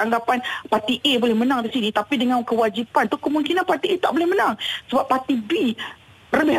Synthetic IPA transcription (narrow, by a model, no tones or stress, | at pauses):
aŋɡapanpat̪iʔebolɛhmənaŋdisinit̪apidəŋãnkəwad͡ʒipant̪ukəmuŋkinanpat̪iʔet̪aʔbolɛhmənaŋsəbapːat̪ibi | rəbɪ